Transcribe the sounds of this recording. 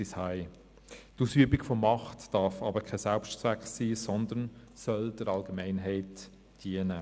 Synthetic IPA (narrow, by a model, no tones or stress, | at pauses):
ishaɪ | tusyəbiɡfɔmɑχtd̥ɑɾfɑ̰bəkʰɛsɛlpʃt͡sʋækχsiːsɔnd̪ən | sœld̥əɾɑlɡəmɛɪnɦɛɪt | d̥iənə